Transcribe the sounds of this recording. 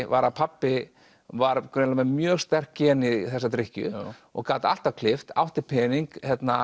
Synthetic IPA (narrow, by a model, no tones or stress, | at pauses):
vaɾaðpʰapːɪ | vaɾkʰlamɛmjœːɣst̪ɛr̥kcːɪɛniθɛsat̪ɾɪhcʏ̰ɔ̰ɣkaːt̪a̰l̥t̪avkʰlɪft̪a̰wht̪ɪpʰɛːniŋkhɛt̪na